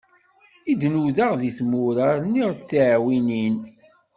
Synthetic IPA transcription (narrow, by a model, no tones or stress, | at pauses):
id̪nuðaʁðiθmʊɾəɾniʁt͡sːʕwinin